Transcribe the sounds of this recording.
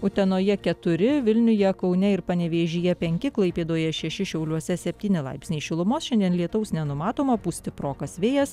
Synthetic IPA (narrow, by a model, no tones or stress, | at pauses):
ʊt̪ʲɛnoːjɛkʲɛt̪ʊɾʲɪʋʲɪlʲnʲʊjɛkɒʊnʲɛɪɾpɐnʲɛʋʲeːʒʲɪjɛpʲɛŋʲkʲɪklˠɐɪpʲeːd̪oːjɛʃʲɛʃʲɪʃʲɛʊlʲuɔsʲɛsʲɛpʲt̪ʲiːnʲɪlˠɐ̰ɪpʲsʲnʲɛːʃʲɪlˠʊmoːsʃʲɛnd̪ʲiɛnlʲiɛt̪ɐʊsnʲɛnʊmɑːt̪oːmoːpusʲt̪ʲɪpɾoːkɐsʋʲeːjɛs